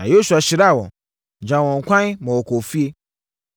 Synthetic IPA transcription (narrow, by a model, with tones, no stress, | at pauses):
ã˨jo˦su˨a˨ɕi˨ɾa˦˨wɔ̰̃˨ | d͡ʒã˨wɔ̃˨ŋ̩˨kʷã˦mɔ̃˨wɔ˨ko˨fi˦e˦